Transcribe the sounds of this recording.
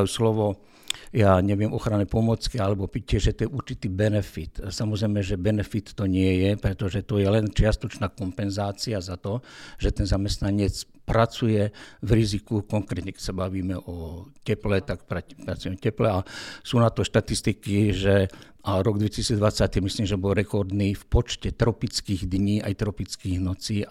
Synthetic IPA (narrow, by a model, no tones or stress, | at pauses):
juslɔʋɔ | jaːɲɛʋijɛmʔɔxɾanɛpɔmɔt͡skialɛbɔpicɛʒɛt̪ɔjɛʔuɾt͡ʃit̪iːbɛnɛfit̪samɔzɾɛɪmɛʒɛbɛnɛfit̪ːɔɲɪɛjɛpɾɛt̪ɔʒɛt̪ɔjɛlɛnt͡ʃɪast̪ɔt͡ʃnaːkɔmpɛnzaːt͡siazat̪ɔʒ̥ɛt̪ɛnzamɛst̪naɲɪɛt͡s | pɾat͡sujɛʋɾizikukɔŋkɾɛt̪ɲɛkɛ̥csabaʋiːmɛʔɔcɛplɛt̪akpɾapɾat͡sujɛmɛcɛplɛasuːnat̪ɔʃt̪at̪ist̪ikiʒɛ | ʔaɾɔɡd̪ʋɛcisiːd͡zd̪ʋat͡sact̪imisliːmʒɛbɔlɾɛkɔɾd̪niːfpɔt͡ʃcɛt̪ɾɔpit͡skiːɣd̪ɲiːʔajt̪ɾɔpit͡skiːɣnɔt͡siː